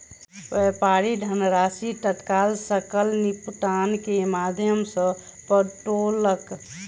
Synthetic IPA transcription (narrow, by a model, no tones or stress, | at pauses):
ʋepaɾiɖʱənɾasit̪ət̪kaːlsəkəlnipt̪ankemad̪ʱjəmsə̃ | pəʈolək